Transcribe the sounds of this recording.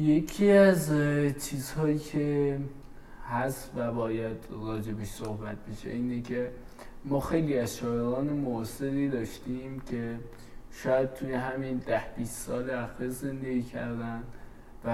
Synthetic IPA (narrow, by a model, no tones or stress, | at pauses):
je̞kʰiæzt͡ʃʰiːzhɒːjiːkʲʰe | hæst̪væbɒːjæd̪ɾɒːd͡ʒe̞beʃsohbæt̪̚be̞ʃḛiːnekʰe̞ | mɒːxe̞jliːæzʃɒːeɾɒːne̞moseɾiːd̪ɒːʃt̪iːmcʰe̞ | ʃɒːjæd̪̥̚t̪ʰuːje̞ɦæmind̪æhb̥iːst̪sɒːleæxiɾze̞nd̪e̞ɡiːcʰæ̰ɾd̪ænd̪ | væ